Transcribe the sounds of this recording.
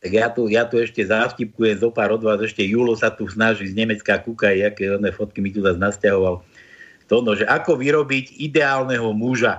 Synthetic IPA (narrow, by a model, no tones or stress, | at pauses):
aɡjat̪ujat̪uɛʃcɛzafcip̚kujɛmzɔpaːɾɔd̪ʋaːzɛʃcɛjuːlɔsat̪usnaʒizɲɛmɛt͡skakukaiakɛɔnɛːfɔt̪̚kimit̪uzaznascaɦɔʋal | t̪ɔnɔʒɛʔakɔʋiɾɔbicid̪ɛaːlnɛɦɔmuʒa